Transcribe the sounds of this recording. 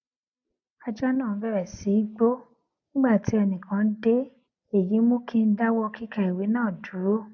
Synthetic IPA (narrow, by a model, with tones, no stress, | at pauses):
a˧d͡ʒɔ˦nãː˦˨˦bɛ˦˨ɾɛ˨si˨˦ɡ͡bo˦ | nĩ˦ɡ͡ba˦˨ti˨˦ɛ˧nĩ˨kʰã˨˦n̩˦de˦ | e˨ji˨˦mõ˦kʰĩ˦n̩˦da˦wɔ˧kʰi˦ka˧i˨we˨˦nãː˦˨du˨˦ɾo˦